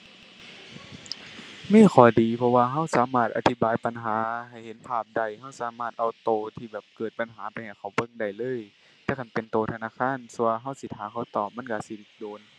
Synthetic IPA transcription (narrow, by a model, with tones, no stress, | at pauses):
miː˧˥˨xʰɔː˨˩˦diː˨˩pʰɔ˧waː˧ɦa˧˥˨wsaː˨˦maː˧˩t̪̚ʔa̰˧t̪ʰi˧˦˩baː˨jpa˧˨nɦaː˨˦ha˨˩jhe˨˦npʰaː˧˩p̚da˧˩jha˧˥˩wsaː˨˦maː˧˩t̪̚ʔa˧˩wt̪oː˧t̪ʰiː˧˩bɛː˨˩p̚kɤː˨˩t̪̚pa˨nɦaː˨˦pa˧jha˨˩jkʰaː˧˩wbɤ˧˥˨ŋda˧˨˩jlɤː˧˥˨j | t̪ɛː˧˩kʰa˧˥˩npe˨nt̪oː˨˧t̪ʰa˧naː˧˥˨kʰaː˧˥˨nsu˧ɦa˧˥˩wsi˧t̪ʰhaː˨˦kʰa˧˩wt̪ɔː˨˩p̚ma˧˥˨nka˧˩si˧˦li˧˩t̪̚doː˨˧˦n